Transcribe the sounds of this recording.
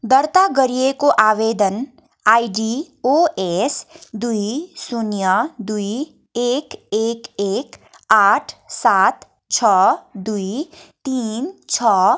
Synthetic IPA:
d̪əɾt̪aɡəɾijekoʔaːʋeːd̪ən | aːiɖiː | oːesd̪uisʊnjad̪ui | eːkeːkeːk | aːʈʰsaːt̪ | t͡ʃʰɔːd̪uit̪iːnt͡ʃʰɔː

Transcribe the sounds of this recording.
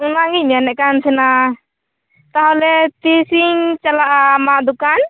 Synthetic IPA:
unaŋianɛʔ̚kansɛna | t̪aɦɔlɛt̪isiŋt͡ʃalaʔamaʔd̪ukan

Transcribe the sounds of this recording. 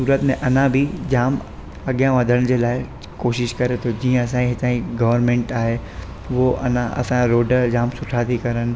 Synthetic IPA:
suːɾət̪mẽʔɐnãbʱid͡ʑaːm | ɐɠjãʋɐd̪ʱəɽ̃̆d͡ʑeːlaːɪ | koːʃɪʃkɐɾet̪ʰod͡ʑiːə̃ɐsãĩɦɪt̪ãːĩɡɐʋəɾmẽːɳʈaːɦe | ʋoʔɐ̰nãʔɐ̰sãɾoːɖəd͡ʑaːmsʊʈʰat̪ʰikɐɾəñɪ̆

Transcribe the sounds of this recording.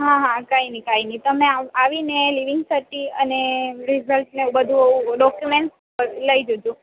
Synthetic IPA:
ɦãɦãkainikainit̪əmẽaaʋineliʋɪŋɡsəʈiə̰neɾizəlʈnebəd̪ʱũɦũɖɔkjumeɳʈs | əɾləid͡ʒod͡ʒũ

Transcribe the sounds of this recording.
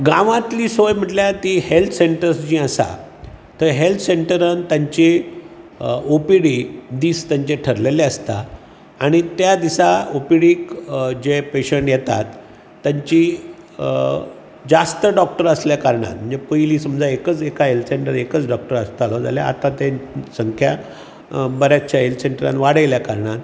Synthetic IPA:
ɡãʋãt̪liːsojm̤əʈljat̪ihelt̪ʰseɳʈəɾsd͡ʑiːəsa̰ | t̪əɾɦelt̪ʰseɳʈəɾənt̪jaɲt͡ɕe | opiɽid̪iːst̪jãɲt͡ɕeʈʰəɾleleəst̪a̰ | aɽ̃it̪jad̪isaopiɽiːkd͡ʑepeɕəɳʈjet̪a̰t̪ː | jaɲt͡ɕi | d͡zast̪əɖɔk̚ʈəɾəsljakaɾɳa̰t̪m̤ənd͡zepəjliːsəməmd͡zaekət͡sekaɦelt̪ʰseɳʈəɾekət͡sɖɔk̚ʈəɾəst̪alod͡za̰lja̰a̰t̪ãt̪esəŋkʰja | bəɾjat͡ɕjaɦelt̪seɳʈəɾa̰nʋaɽəjljakaɾɳat̪

